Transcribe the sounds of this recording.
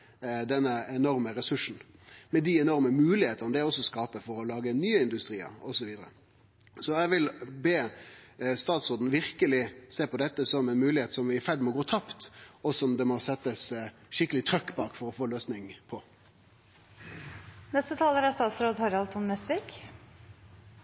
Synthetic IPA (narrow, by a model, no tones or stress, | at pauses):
d̪ɛnːəɛnɔɾməɾɛsʉʂn̩mɛd̪ɪɛnɔɾməmʉːlɪheːt̪ənəd̪ɛɔsːɔskɑːpəfɔɾɔlɑːɡənyːəɪnd̪ʉst̪ɾiːə̰ɾɔsɔʋiːd̪əɾə̰ | sɔɛʋɪlbeː | st̪ɑːt̪sɾoːd̪n̩ʋɪʁkəlɪseːpɔd̪ɛt̪ːəsɔmɛnmʉːlɪheːt̪sɔmʋɪæfæɖmɔɡoːt̪ʰɑpt̪ɔsɔmd̪ɛmɔsɛt̪ːəs | ʃɪkːəlɪt̪ʰɾœkːbɑːkfɔɾɔfoːløːsnɪŋpʰɔ | nɛst̪ət̪ʰɑːləɾæst̪ɑːt̪sɾoːd̪hɑɾɑlt̪ʰʊmnɛsʋik